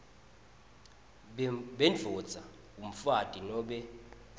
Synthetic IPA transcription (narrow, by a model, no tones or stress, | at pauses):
ɓɛnd͡ɮʱɔd̥d͡z̥ʱa | um̩fad̥ʱʼinɔɓɛ